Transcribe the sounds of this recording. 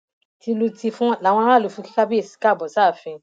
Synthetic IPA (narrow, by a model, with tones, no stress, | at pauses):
ti˧lo˧ti˧fũ˦la˨w̃ɔ̃˧˦ɾa˦˨o˨˧fũ˧ki̥˦ka˦bi˦e˦˨si̥˨ka˦˨bɔ˨sa˦˨fĩ˧